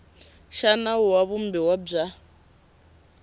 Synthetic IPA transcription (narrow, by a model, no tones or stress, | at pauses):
ʃanauwaβumbiwab͡ʐa